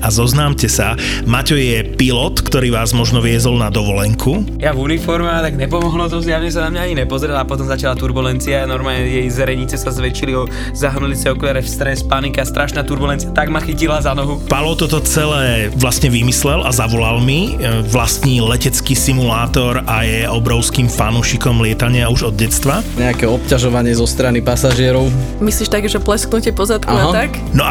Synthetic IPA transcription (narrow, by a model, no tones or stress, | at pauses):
azɔznaːmcɛsa | macɔjɛpilɔt̪kt̪ɔɾiːʋaːzmɔʒnɔʋɪɛzɔlnad̪ɔʋɔlɛŋkʰujavunifɔɾmɛat̪aɡɲɛpɔmɔɦlɔzɔzɪaʊɲɛs̬anamɲaaɲinɛpɔzɾɛlaːpɔt̪ɔmzacalat̪uɾbulɛnt͡sianɔɾmaːlɲɛjɛjzɛɾɛɲit͡sɛsazʋɛt͡ʃiliɔ | zaɦnulit͡sɛɔkʋɛɾɛfst̪ɾɛspanikɛast̪ɾʔaʃnaːt̪uɾbulɛnt͡siat̪aɡmaxicilazanɔɦupalɔt̪ɔt̪ɔt͡sɛlɛːʋlast̪ɲɛʋimislɛlʔa̰zaʋɔlalmiʋlast̪ɲilɛcɛt͡skisimulaːt̪ɔɾajɛɔbɾɔʊskiːmfanuːʃikɔmlɪɛt̪aɲɪauʒɔd̪̚ɟɛt͡st̪ʋaɲɛakɛɔpcaʒɔʋaɲɪɛzɔst̪ɾanipasaʒɪɛɾɔʊ | misliːʃt̪aɡʒɛplɛsknucɛpɔzat̪kaɦat̪ak | nɔʔa